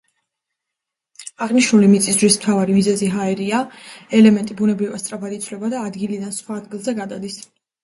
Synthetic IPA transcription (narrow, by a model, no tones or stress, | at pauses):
aʁniʃnulimit̪sʼisdʒwismt̪ʰavaɾimizɛziɦaɛɾiaɛlɛmɛnt̪ʼibunɛbɾivast̪sʼɾapʰad̪it̪sʰlɛbad̪aːd̪ɡilid̪ansχwaːd̪̚ɡilˠzɛɡad̪ad̪is